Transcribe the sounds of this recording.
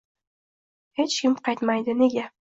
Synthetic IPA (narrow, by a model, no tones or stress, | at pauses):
het͡ʃkʲɪmqɑjt̪mɑjd̪ɪneɡʲæ